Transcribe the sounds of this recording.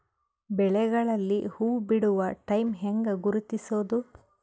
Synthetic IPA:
bɛɭɛɡɐɭɐlːihuːbiɽuʋɐʈɐjmɦɛŋɡɐɡuɾut̪isoːd̪u

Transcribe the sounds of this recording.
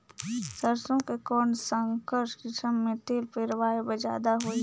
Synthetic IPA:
səɾsõkekɔːnsə̃ŋkəɾʃkɪʃəmːẽt̪eːlpeːɾwaːebəd͡ʒa̰ːd̪aɦoːi

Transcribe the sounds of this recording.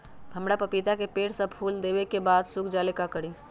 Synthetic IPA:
ɦəmɾapəpit̪akepeːʈsə̃pʰuld̪ebekebaːd̪sukʰd͡ʒalekakəɽi

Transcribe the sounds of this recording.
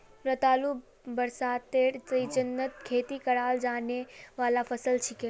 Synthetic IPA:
pɾət̪alu | bəɾsad̪t̪eɾsəjd͡ʒənːət̪̚kʰet̪ikəɽald͡ʒaneʋalafəsəlt͡ʃʰikel

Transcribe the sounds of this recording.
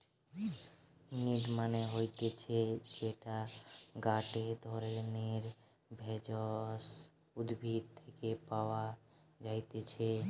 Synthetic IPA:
niɖmaneɦojt̪et͡ʃʰed͡ʒeʈaɡaʈed̪ʱɔɾeneɾ | bʱed͡ʒɔs | ʊd̪bʱid̪̚t̪ʰekepawa | d͡ʒajt̪et͡ʃʰɛ

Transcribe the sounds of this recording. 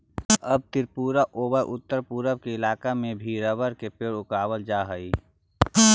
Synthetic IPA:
əb̚t̪ɪɾpuːɾaʔoːbəʔʊt̪ːəɾpuːɾəbkeɪlaːkamẽbʱiːɾəbəɾkepeːɽʊkaːwəld͡ʒaːɦəi

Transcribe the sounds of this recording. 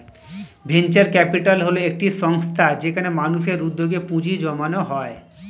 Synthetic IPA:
bʱent͡ɕeɾkɛpiʈalɦoloek̚ʈiʃɔŋst̪ʰad͡ʑekʰanemanuʃeɾud̪ːoɡepũd͡ʑid͡ʑɔmanoɦɔe

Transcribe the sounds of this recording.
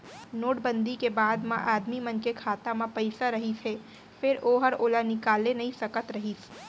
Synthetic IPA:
noːʈbə̃nd̪ikebaːd̪mãʔaːd̪mimɐnkekʰaːt̪amãpɐɪsaɾɐɦisʰeː | fɪɾoːɦɐɾoːlanɪkaːlenɐɦĩsɐkət̪ɾɐɦiːs

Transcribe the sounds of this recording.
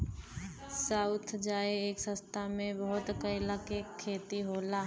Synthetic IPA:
saːʊt̪ʰd͡ʒaːeeːksə̃st̪ʰamẽbəɦʊt̪kəɪlakekʰːeːt̪iɦoːlaɦ

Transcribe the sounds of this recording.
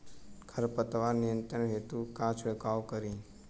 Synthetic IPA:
kʰəɾpət̪ʋaɾnijənt̪ɾəɳɦet̪ukãt͡ʃʰʋekawkəɾĩ

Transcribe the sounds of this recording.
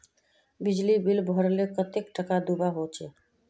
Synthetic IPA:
bɪd͡ʒlibilbʱɔɾlekət̪ekʈʰəkad̪ubaɦot͡ʃe

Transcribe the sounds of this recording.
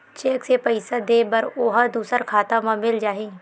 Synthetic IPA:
t͡ʃeːksepəɪsad̪eːbɐɾoːɦəd̪uːsəɾkʰaːt̪ãmãmɪld͡ʒaːɦiː

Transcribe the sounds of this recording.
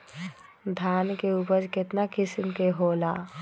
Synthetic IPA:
d̪ʱaːnkeupəɾkɪt̪nakɪsmkeɦoːlaː

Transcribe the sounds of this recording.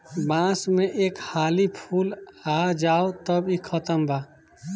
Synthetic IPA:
bãːsmẽʔeːkhaːlipʰuːlad͡ʒaːot̪əbikʰət̪əmbaː

